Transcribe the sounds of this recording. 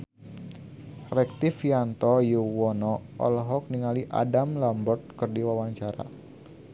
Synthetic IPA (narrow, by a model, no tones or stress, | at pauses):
rɛk̚t̪ifjant̪ɔjuwɔnɔʔɔ̰lɦɔk̚niŋaliʔa̰damlambɔrt̪̚kərdiwawaɲt͡ʃaɾa̰